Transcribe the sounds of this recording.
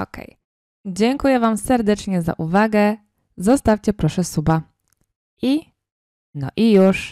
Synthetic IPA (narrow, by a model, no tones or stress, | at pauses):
ɔ̰kɛ̰j | d͡ʑɛŋkujɛvamsɛɾd̪ɛt͡ʂɲɛza̰ʔuvaɡɛ | zɔst̪afʲt͡ɕɛpɾɔʂɛsuba | ʔi | nɔ̰ʔijuʂ